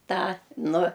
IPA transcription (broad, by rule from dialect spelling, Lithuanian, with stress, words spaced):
ˈtɑː ˈnʊ